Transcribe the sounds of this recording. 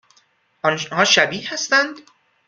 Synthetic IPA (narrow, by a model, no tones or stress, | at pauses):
ʔɒnhɒːʃæbiːhæst̪ænd̪